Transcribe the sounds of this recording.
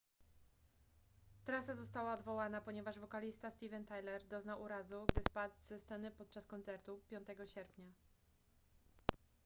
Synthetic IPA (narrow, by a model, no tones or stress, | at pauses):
t̪ɾasazɔst̪awaɔd̪vɔwanapɔɲɛvaʐvɔkalʲist̪ast̪ʲivɛnt̪ajlɛɾd̪ɔznawʔuɾazuɡd̪ɘspad̪zɛst̪sɛnɘpɔt̪̚t͡ʂaskɔnt̪sɛɾt̪upʲjɔnt̪ɛɡɔɕɛɾpɲa